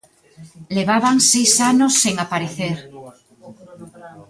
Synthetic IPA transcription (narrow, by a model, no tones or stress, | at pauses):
leβ̞aβaŋsejsanosːeŋapaɾeθeɾ